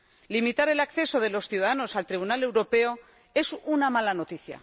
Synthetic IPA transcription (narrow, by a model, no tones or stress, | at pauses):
limit̪aɾe̞lakθe̞so̞ðe̞lo̞sθjuðaðano̞salt̪ɾiβ̞unale̞wɾo̞pe̞o̞ | e̞sunamalano̞t̪iθja̰